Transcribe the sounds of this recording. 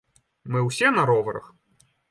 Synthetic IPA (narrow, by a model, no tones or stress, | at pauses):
mɨwsʲɛnɐɾɔvɐɾɐ̰x